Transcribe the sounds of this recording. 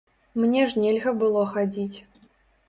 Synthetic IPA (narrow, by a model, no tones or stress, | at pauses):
mnʲɛʐnʲɛlʲɣɐbɨlˠɔxad͡zʲit͡sʲ